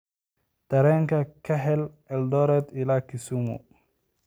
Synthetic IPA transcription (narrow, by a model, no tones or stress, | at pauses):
d̪̥ɐɾɛːŋkʰɐkʰɐɦɛl | ɛld̪ɔɾɛd̪ɪlakʰɪsumṵ